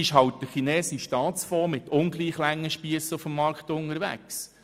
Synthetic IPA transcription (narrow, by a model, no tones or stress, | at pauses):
ɪʃɦɑwt̚d̥əχinɛːsiʃtɑːt̪t͡sfɔːmɪt̪ʰʊnɡliːχlæŋːəʃpiəsəʊfəmːɑɾkχtʊnəɾʋæ̰ks